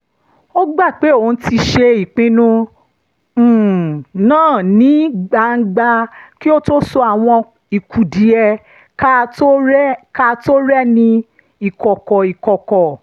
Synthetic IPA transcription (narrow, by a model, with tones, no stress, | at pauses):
o˦ɡ͡ba˦˨k͡pe˨˦o˨n̩˦ti˧ʃe˧i˨k͡pĩ˧nũ˧˨ | nãː˦˨nĩ˨˦ɡ͡ba˨ŋ̩˦ɡ͡ba˧ki˦o˦to˦sɔ˧a˨w̃ɔ̃˧ | i˨kʰu˨di˨ɛ˧ | ka˦to˦ɾɛ˦ka˦to˦ɾɛ˦nĩ˧ | i˨kɔ˨kɔ˨i˨kɔ˨kɔ˨